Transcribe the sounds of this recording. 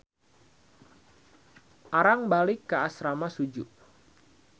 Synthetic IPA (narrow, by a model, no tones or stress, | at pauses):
ʔaɾaŋbalɪkːaasɾamasud͡ʒuʔ